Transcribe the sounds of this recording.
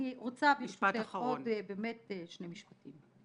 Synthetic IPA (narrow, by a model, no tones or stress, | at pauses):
iʁot͡sabiʃateχaʁodbeːmetʃnemiʃpatim